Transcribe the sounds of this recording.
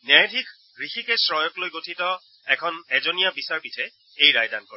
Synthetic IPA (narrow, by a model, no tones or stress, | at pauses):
najdʱik | ɹixikɛsɹɔjɔklojɡotʰitɔ | ɛkʰɔnɛzɔnijabisaɹpitʰɛ | ejɹajdankɔɹ